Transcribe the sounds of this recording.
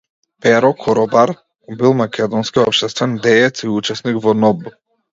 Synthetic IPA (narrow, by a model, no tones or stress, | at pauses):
pɛɾɔkʰɔɾɔbaɾ | bilˠmakʰʲɛd̪ɔnskiɔpʃt̪ɛst̪vɛnd̪ɛːt̪siut͡ʃɛsnikvɔnɔbu